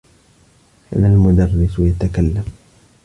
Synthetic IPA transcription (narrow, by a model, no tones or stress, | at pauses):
ha̰ðalmʊd̪ɑrːɪsjat̪akalːam